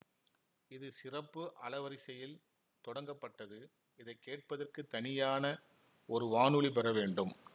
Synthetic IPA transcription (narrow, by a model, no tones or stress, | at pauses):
ɪðɯsɪrɐpːɯʔɐlɐʋɐɾɪsɐjɪl | t̪ɔɽɐŋɡɐpːɐʈːɐðɯ | ɪðɐɪkːeːʈ̚pɐðɐrkɯt̪ːɐnɪjaːnɐ | ɔɾɯʋaːnɯɭip̬ɛɾɐʋeːɳɖɯm